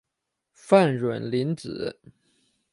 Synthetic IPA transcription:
fa˥˩nɻwə˨˩nli˧˥nt͡sɹ̩˨˩˦

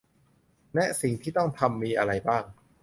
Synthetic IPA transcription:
nɛ˦˥ʔsi˨˩˦ŋt̪ʰiː˥˩t̪ɔ˥˩ŋt̪ʰa˧mːiː˧ʔa˧ɾa˧jbaː˥˩ŋ

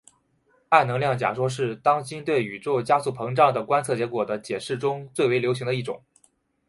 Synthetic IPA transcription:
a˥˩ɪnɤ˧˥ŋljɑ˥˩ŋt͡ɕja̰˨˩ʂwɔ˥ʂ̬ɻ̩˥˩t̪ɑ˥ŋt͡ɕi˥nt̪we˥˩ɪy˨˩ʈ͡ʂo˥˩ʊt͡ɕja˥su˥˩pʰɤ˧˥ŋʈ͡ʂɑ˥˩ŋd̪ə˩kwa˥nt͡sʰɤ˥˩t͡ɕjɛ˧˥kwɔ˨˩d̪ə˦t͡ɕjɛ˨˩ʂɻ̩˥˩ʈ͡ʂʊ˥ŋt͡swe˥˩ɪwe˧˥ljo˧˥ʊɕi˧˥ŋd̪ə˧i˥˩ʈ͡ʂʊ̰˨˩˦ŋ

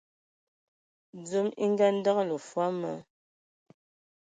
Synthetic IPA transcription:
d͡zə˦mḭ˦ŋ˦ɡa˦n̩˦da˦klə˨fwa˦mə̰˦

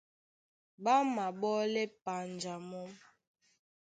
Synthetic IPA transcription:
ba˦ma˨ɓɔ˦lɛ˦pa˨n˨d͡ʒa˨mɔ˦m

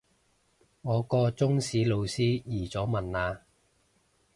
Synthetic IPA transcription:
ŋɔː˨˧kɔː˧t͡sʊ˥ŋsiː˨˥lo˨˧wsiː˥jiː˨˩t͡sɔː˨˥mɐ˨naː˨˧

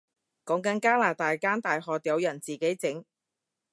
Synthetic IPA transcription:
kɔː˨˥ŋkɐ˨˥nkaː˥laː˨˩t̪aː˨˧jkaː˥nt̪aː˨jɦɔː˨t̪jɐ˨˧wjɐ˨˩nt͡siː˨˩ke˨˥jt͡sɪ˨˥ŋ

